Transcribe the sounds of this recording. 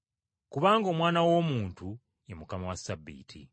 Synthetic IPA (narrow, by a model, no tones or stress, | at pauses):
kuβaːŋɡo̞ːmwaːnawo̞ːmuːntu | emukamawasːabːḭːtʰḭ